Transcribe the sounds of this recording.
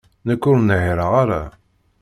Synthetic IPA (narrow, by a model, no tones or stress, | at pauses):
nəkːʊɾnəʕɾəaɾa̰